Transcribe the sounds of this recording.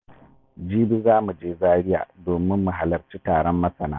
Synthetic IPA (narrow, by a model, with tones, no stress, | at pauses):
d͡ʒiː˦bi˦zaː˦mu˨d͡ʒeː˦zaː˦ɽɪ˦ja̰ː˨doː˨mɪ˦mːu˨ɦa˨lɐ˨t͡ʃiː˦taː˨ɽɔ˦mːɐ˦sɐ˨naː˦